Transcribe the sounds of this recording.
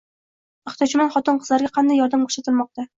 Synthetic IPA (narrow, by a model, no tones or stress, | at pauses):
ɪχt̪jɒt͡ʃʰɪmanχɒt̪ɨnqʰɨz̥laɾɡʲaqʰɑnd̪ajːɒɾd̪amkʰo̥ʃat̪ʰɪlˠmɒq̚t̪a